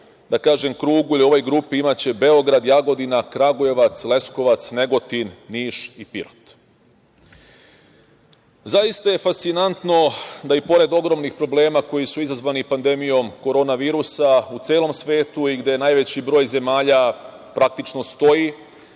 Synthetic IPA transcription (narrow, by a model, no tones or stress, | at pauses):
d̪akaːʒemkɾuːɡuilio̞ʋo̞jɡɾupiimat͡ɕe̞be̞o̞ɡɾad̪jaɡo̞d̪inakɾaɡoje̞ʋat̪sle̞sko̞ʋat̪sne̞ɡo̞t̪inːiːʃipiɾot̪ | zajist̪aje̞fast̪sinant̪no̞d̪aipo̞ɾe̞d̪o̞ɡɾo̞mnixpɾo̞ble̞ːmako̞jisuizazʋanipand̪e̞mijo̞mko̞ɾo̞ːnaʋiːɾusaut̪se̞ːlˠo̞msʋe̞ːt̪uiɡd̪ejenajʋe̞t͡ɕibɾo̞ːjze̞maːʎa | pɾak̚t̪it͡ʃno̞st̪o̞ji